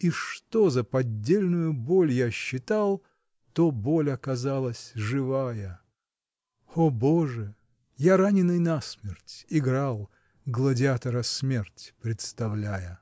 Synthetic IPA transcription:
iʂt̪o̞zəpɐdʲːelʲnʊjʊbolʲjaɕːɪt̪alˠ | t̪obo̞lʲɐkɐzalˠəsʲʐɨvajə | oboʐɨ | jaɾanʲɪnɨjnasmʲɪrtʲɪɡɾalˠ | ɡlˠədʲɪat̪əɾəsmʲertʲpɾʲɪt̪st̪ɐvlʲæjə

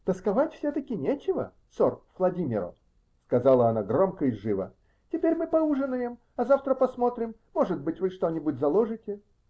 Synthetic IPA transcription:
t̪əskɐvatʲfsʲɵt̪əkʲɪnʲet͡ɕɪvə̰ | sorvlˠɐdʲimʲɪ̰ɾə̰ | skɐzalˠəɐnaɡro̞mkəɪʐɨvə̰ | tʲɪpʲeɾʲmɨpɐuʐɨnəjəm | ɐzaft̪ɾəpɐsmo̞t̪ɾʲɪmːo̞ʐɨd̪̚bɨtʲvɨʂt̪o̞nʲɪbʊtʲzɐlˠoʐɨtʲɪ

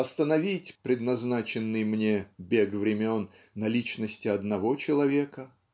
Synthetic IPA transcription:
ɐst̪ənɐvʲitʲpɾʲɪd̪nɐznat͡ɕɪnːɨjmnʲebʲeɡvɾʲɪmʲonː | ɐlʲit͡ɕnəsʲtʲɪɐd̪nɐvo̞t͡ɕɪlˠɐvʲe̞kə

